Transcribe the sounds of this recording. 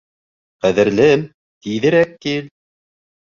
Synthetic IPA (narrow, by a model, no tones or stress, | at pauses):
qæðɘ̆ɾlɘm | t̪iðɘ̆ɾæk̚ːil